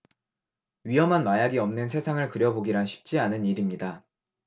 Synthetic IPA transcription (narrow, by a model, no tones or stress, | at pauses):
ɥiɦʌmɦanmajaɡiʌmnɯnsʰe̞sʰaŋɯɭkɯɾjʌboɡiɾaɕʰi̥p̚t͡ɕ͈ianɯniɾimɲida